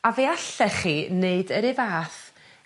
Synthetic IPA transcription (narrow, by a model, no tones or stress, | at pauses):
aveːaɬɛχineɨdəɾɪvaːθ